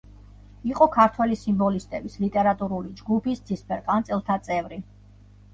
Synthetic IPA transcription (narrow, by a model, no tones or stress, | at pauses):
iqʼɔkʰaɾt̪ʰwɛlisimbɔlist̪ʼɛbislit̪ʼɛɾat̪ʼuɾulid͡ʒɡupisd̪z̥ispʰɛɾqʼant̪sʼɛlˠt̪ʰat̪sʼɛvɾi